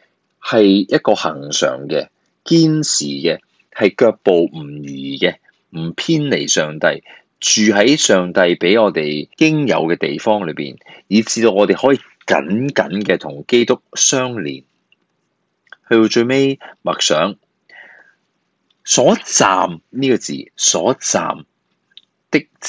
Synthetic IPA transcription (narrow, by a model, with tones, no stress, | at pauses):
hɐ˨jjɐ˥t̚kɔː˧hɐ˨˩ŋsœ̰ː˨˩ŋkɛː˧ | kiː˥nsiː˨˩kɛ˧ | hɐ˨jkœː˧k̚po˨wm̩˨˩jyː˨˩kɛː˧ | m̩˨˩pʰiː˥nle˨˩jsœː˨ŋt̪ɐ˧j | t͡ʃyː˨ɦɐ˨˥jsœː˨˩ŋt̪ɐ˧jpe˨˥jŋɔː˨˧t̪e˨˩jkɪ˥ŋjɐ̰˨˧wkɛː˧t̪e˨jfɔː˥ŋlɵ˨˧ɥpḭː˨njiː˨˧t͡siː˧t̪o˧wŋɔː˨˧t̪e˨jhɔː˨˥jiː˨ | kɐ̰˨˥nkɐ̰˨˥nkɛː˧t̪ʰʊ˨˩ŋke˥jt̪ʊ˥k̚sœː˥ŋlḭː˨˩n | hɵ˧ɥtt͡ʃɵ˧ɥme˥jmɐ˨˩k̚sœː˨˥ŋ | sɔː˨˥t͡sa̰ː˨mniː˥kɔː˧t͡sḭː˨˩sɔː˨˥t͡sa̰ː˨m | t̪ɪ˥k̚